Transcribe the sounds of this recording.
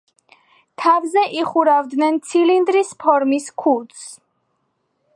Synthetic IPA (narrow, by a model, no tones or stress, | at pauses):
t̪ʰavzɛʔiχuɾavd̪nɛnt̪sʰilind̪ɾispʰɔɾmiskʰut̪s